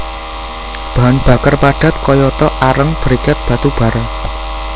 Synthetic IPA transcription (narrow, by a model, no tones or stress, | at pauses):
b̥a̤nb̥a̤kərpaɖ̥a̤t̪̚kɔjɔt̪ɔʔaɾəŋb̥ə̤ɾikat̪̚b̥ä̤t̪ub̥a̤ɾɛ